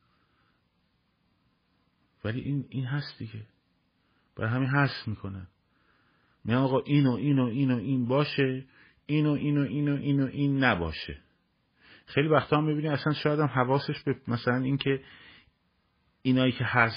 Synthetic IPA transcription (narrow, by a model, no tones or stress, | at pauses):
vælḭʔiːniːnɦæst̪d̪̥iɟe | b̥æ̰ɾɑhæminɦæsmiːkʰonæn | mḭɟænɒːɣɒːʔiːnoʔiːnoʔiːnoʔiːnbɒːʃe | iːnoʔiːnoʔiːnoʔiːnoʔiːnːæbɒ̰ːʃḛ | xejlivæxt̪ʰɒːhæmːibiːniæsænʃɒːjæd̪æmɦævɒːse̞ʃbemæsælæniːŋcʰe | inɒːjiːcʰe̞hæs